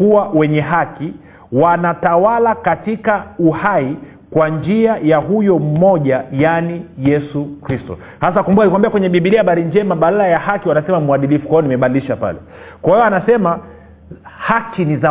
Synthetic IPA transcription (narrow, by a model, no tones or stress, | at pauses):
uwawɛɲɛɦaki | wanatawalakatikauhai | kwand͡ʒiajaɦujɔm̩mɔʄajanijɛsukɾistɔ̰ | hasakumbukakikambiakwɛɲɛɓiɓiliaɓaɾind͡ʒɛmaɓalalajahakiwanasɛmamuaɗilifu̥kwajɔnimɛɓaliliʃapa̰lɛ̰ | kwahiɔanasɛma | hakiniza